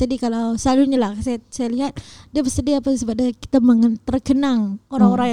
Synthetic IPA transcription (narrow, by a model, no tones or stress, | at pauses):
d͡ʒadikalawsaluɲalahsaasajaliɦat̪̚diabəsədiaːpasəbap̚daki̥t̪aməŋənt̪ərɡənaŋoɾaŋoɾaŋj